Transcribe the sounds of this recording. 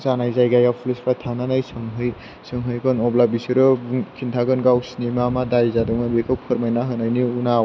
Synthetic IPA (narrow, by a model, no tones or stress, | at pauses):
zanajzajɡajapʰulespʰɾat̪ʰananajsɯŋɦɯj | sɯŋɦɯjkʰɯnɔblabisiɾɯbŋkʰintʰaɡɯnɡawsinimamadajzadɯŋɯnbekʰɯwpʰɯɾmajnaɦɯnajniuna